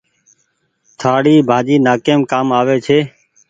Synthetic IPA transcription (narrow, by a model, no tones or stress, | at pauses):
t̪ʰaːɽiːbʱãːd͡ʒiːnaːkeːmkaːmaːʋeːt͡ʃʰeː